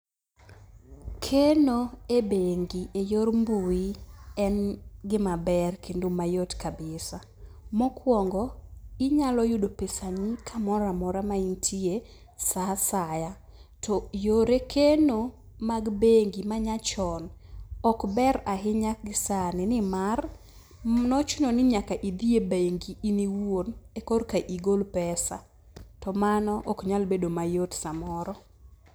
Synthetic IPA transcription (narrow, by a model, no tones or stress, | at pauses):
kʰenoebeŋɡiʔejormbuiɛnɡɪmabɛrkʰendomajotkabɪsa | mɔkwɔŋɡɔɪɲalɔjʊdopesaɲikʰamɔɾamɔɾamaintʰie | sasaja | tʰɔjoɾekʰeno | maɡbeŋɡimaɲat͡ʃɔnɔkbɛɾaɦɪɲak̚ɡɪsanɪnɪmar | nɔt͡ʃʊnɔnɪɲakaʔid̪iebeŋɡiːniwonekorkaʔiɡolpɛsa̰ | tɔmanɔʔɔkɲalbedomajotsamɔɾɔ